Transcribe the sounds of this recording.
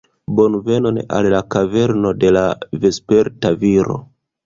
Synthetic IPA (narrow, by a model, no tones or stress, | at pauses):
bo̞nve̞nona̰llakave̞ɾno̞de̞lavespe̞ɾtaviɾo̞̰